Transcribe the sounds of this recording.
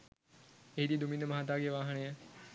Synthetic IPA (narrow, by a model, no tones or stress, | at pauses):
eɦid̪iːd̪umind̪əmɐɦat̪aːɡeʋaːɦənəjə